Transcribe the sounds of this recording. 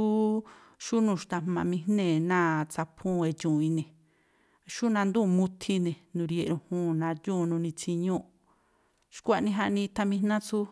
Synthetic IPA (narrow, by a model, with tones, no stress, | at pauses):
u˦ | ʃu˦nũ˧˨ʃt̪a˧˨mã˧mĩ̥˧nẽ˦˨nã˦˨t͡sa˧pʰũ˦˧e˧t͡ʃũ˨ĩ˧nẽ˨ | ʃu˦nã˧nd̪ũ˦˧mũ˧˦t̪ʰi˧nẽ˨nũ˨˧ɾje˧˨ɾũ˧hũː˦nã˧jũ˦˧nũ˧nĩ˧t͡si˧ɲõ˦ʔ | ʃkʷa˧˨nĩ˧ɦa˧ʔnĩ˧t̪a˧mĩ˧nã˦t͡su˦